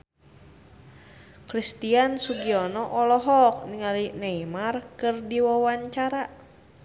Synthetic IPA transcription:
kɾist̪iansuɡiɔnɔʔɔlɔɦɔk̚niŋalineimarkɨrdiwawaɲt͡ʃaɾa

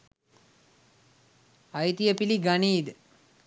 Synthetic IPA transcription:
ajt̪ijəpiliɡaniːd̪ə

